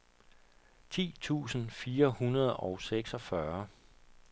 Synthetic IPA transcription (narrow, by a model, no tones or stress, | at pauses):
t͡sʰḭːt͡sʰṵːsn̩fiːɐhunɐð̞ˠɒʊseɡ̥sɒ̽fɶɐ